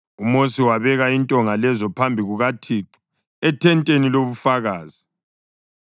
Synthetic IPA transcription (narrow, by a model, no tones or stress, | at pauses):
umosiwaβɛɣaintʼɔŋalɛzɔpʰambʱiɣuɣatʰiːǃi̥ | ɛtʰɛntʼeniloβufaɣaːzi